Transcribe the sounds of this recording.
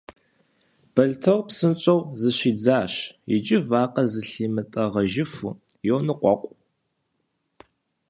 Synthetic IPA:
b̥ɐɮtʰɐwpsɨnt͡ʃʼɐwzɨɕiːd͡zaːɕjɪ̰t͡ʃʼɪvaːqʼɐzɨɬiːmɨtʼɐʁɐʒɪfṵ | jownɨqʷɔqʷʼ

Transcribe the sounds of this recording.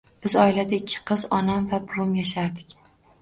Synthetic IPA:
b̥ɪzɒɪlad̪aɪkʲʰːɪ̥qʰɨzɒnamvabʊɾʊmjaʃaɾd̪ɪkʲ

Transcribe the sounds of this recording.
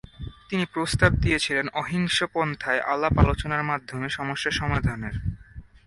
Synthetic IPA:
t̪inipɾost̪ab̚d̪ijet͡ɕʰilenɔɦiŋʃopɔnt̪ʰaeʔa̰lːapalot͡ɕonaɾmad̪ʱːomeʃɔmoʃːaʃɔmad̪ʱaneɾ

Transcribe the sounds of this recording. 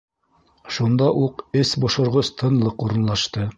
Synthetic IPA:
ʃund̪ɑʔuqɘsbŏʃŏɾʁost̪ʰɤ̆nlˠɤquɾɤ̆nlˠɑʃt̪ɤ

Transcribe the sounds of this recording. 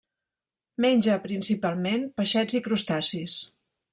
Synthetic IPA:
meɲʲd͡ʒəpɾinsipalˠmenpəʃɛd͡zikɾust̪asis

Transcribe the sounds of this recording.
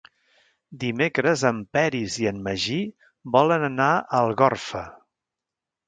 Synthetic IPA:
d̪imekɾəzəmpɛɾiziəmːəʒi | bɔlənənaəlˠɣɔrfə

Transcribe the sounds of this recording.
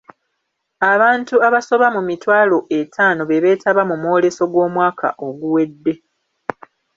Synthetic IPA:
aβaːntuaβaso̞βamumitwaːlo̞ʔe̞tʰaːno̞βe̞βe̞ːtʰaβamumoːle̞so̞ɡwo̞ːmwaːka̰ʔo̞ɡuwe̞dːe̞

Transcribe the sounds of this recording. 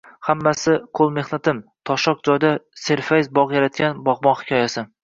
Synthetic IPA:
hamːasɪqʰolˠme̞hnat̪ʰɪmt̪ʰɒʃɒq̚d͡ʒɒjd̪ase̞ɾfajzbɒʁjaɾat̪̚kʲanbɒʁbɒnhɪ̥kʲʰɒjasɪ

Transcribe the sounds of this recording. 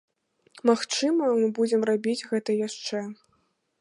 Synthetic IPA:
maxt͡ʂɨmɐmɨbud͡zʲɛmrabʲid͡zʲɣɛt̪ɐjaʂt͡ʂɛ

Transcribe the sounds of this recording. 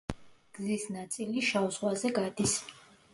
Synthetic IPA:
ɡ̥zisnat̪sʼiliʃauzʁwazɛɡad̪is

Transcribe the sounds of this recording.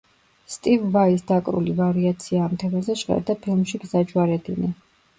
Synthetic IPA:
st̪ʼivːaisd̪akʼɾṵlivaɾiat̪sʰiaːmt̪ʰɛmazɛʃʁɛ̰ld̪apʰilˠmʃiɡzad͡ʒwaɾɛd̪inɛ

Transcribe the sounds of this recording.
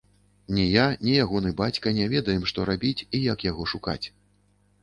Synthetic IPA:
nʲɛjanʲɛjaɣɔnɨbat͡sʲkɐnʲɛvʲɛd̪ɐjɛmʂt̪ɔɾabʲit͡sʲijakjaɣɔʂuka̰t͡sʲ

